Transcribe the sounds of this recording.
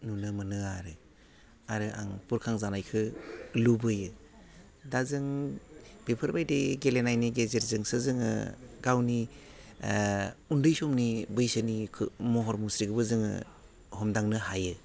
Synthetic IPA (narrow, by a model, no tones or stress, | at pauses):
nunɯmɯnɯaɾɯ | aɾɯʔa̰ŋpuɾkʰaŋzanajkʰɯlubɯjɯ | dazɯŋ | b̥epʰɯɾbajdeɡelenajniɡezeɾzɯŋsɯzɯŋɯ̰ɡawni | undɯjsɔmnibɯjsɯnikʰɯmɔɦɔɾmusɾiɡɯbɯzɯŋɯ̰ | hɔmdaŋnɯɦajɯ